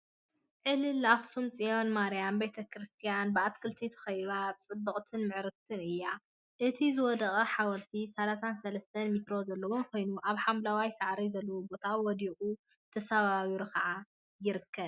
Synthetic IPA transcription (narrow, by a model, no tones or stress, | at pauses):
ʕɨlɨlaxsumt͡sʼijo̞nmaɾijambet̪ʰɐkʰɾɨst̪ʰijanbɨat̪kʰɨlt̪ʰit̪ʰɐ̥xɐjβat͡sʼɨbːɨkʼt̪ʰɨnmɨʕɾɨf̚t̪ʰɨnɨjːa | ʔɨt̪ʰizɨwɔd̪ɐχʼɐħawɐɾt̪ʰisɐlasansɐlɐst̪ʰɐnmit̪ɾo̞zɐlːɐwonkʰo̞jnuʔaβħamlawajsaʕɾizɐlːɐwobo̞t̪ʰawwɔd̪iχʼu | t̪ʰɐsaβaβiɾokʰɐʕa | jɪɾɨkʰːɐβ